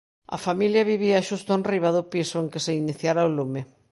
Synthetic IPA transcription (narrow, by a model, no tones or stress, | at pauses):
ɐ̰familjɐβiβiaʃust̪oonriβaðʊpisoeŋkeseiniθjaɾaolume